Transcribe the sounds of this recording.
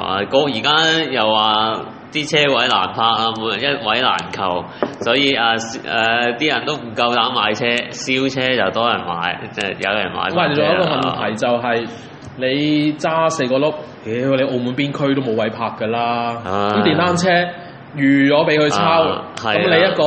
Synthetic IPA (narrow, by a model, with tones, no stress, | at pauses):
a̰˨kɔː˧k̚jiː˨˩kaː˥jɐ˨wːaː˨ | t̪iː˥t͡sʰɛː˥wɐ˨˥jla̰ː˨˩npʰaː˧k̚aː˧m˨˧˨jɐ˥t̚wɐ˨˥jla̰ː˨˩nkʰɐ˨˩w | sɔː˨˥jiː˨˧ʔaː˧sɛ˨t̪iː˥jɐ˨˩nt̪o˥wm̩˨˩kɐ˧wt̪aː˨˥maː˨˧jt͡sʰɛː˥siː˥wt͡sʰɛː˥t͡sɐ˨wt̪ɔː˥jɐ˨˩nma̰ː˨˥jɛ˧jɐ̰˨˧jɐ̰˨˩nma̰ː˨˧jma˨˩˨ʊ˨ŋjɐ˥kɔː˧mɐ˨nt̪ʰɐ˨˩jt͡sɐ˨wɦɐ˨j | ne˨˧jt͡saː˥se˧jkɔː˧lo˥p̚ | jɛ˨˥˧le˨˧jʔo˧wmu˨˧˥npiː˥nkʰɵ˥ɥt̪o˥wmo˨˧wɐ˨˥jpʰaː˧k̚ːəː˧laː˥iː˥t̪iː˨˩nt̪aː˥nt͡sʰɛː˥ | jyː˨˩jɔː˨˥pe˨˥jkʰɵ˧t͡sʰaː˥whɐ˨kɐ˦mle˨˧jɐ˥t̚kɔː˧